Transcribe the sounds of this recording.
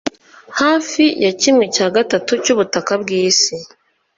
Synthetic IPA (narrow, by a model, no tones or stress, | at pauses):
haːfijacimŋecaːɡatatucuβutakabɡiːsi